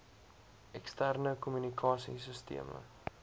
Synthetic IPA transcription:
ɛkstærnəkumynikʰɑːsḭsəstḭəmə̰

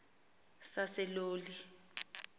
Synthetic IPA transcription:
sasɛloːli

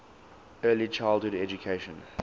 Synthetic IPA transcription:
ɜːlit͡ʃaɪlˠdhʊɾɛd͡ʒukʰeɪʃə̃n

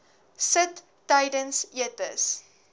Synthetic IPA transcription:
sətː | ɐjdənsiətə̰s

